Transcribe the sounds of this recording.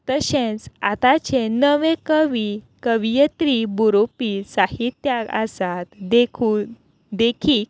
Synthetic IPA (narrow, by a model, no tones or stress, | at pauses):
t̪əɕẽt͡sa̰t̪at͡ɕenəʋekəʋi | kəʋijət̪ɾibuɾopiːsahit̪jaka̰sat̪d̪ekʰu | d̪ekʰiːk